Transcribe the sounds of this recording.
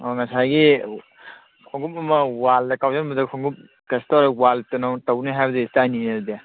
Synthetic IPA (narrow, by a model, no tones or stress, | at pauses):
ɔŋɐsajɡi | kʰɔŋɡupɐmɐwaldɐkawzenmɐdɐkʰɔŋɡup̚ | kestɔɾwaltɐnawtawniɦajbɐdestaninaɾda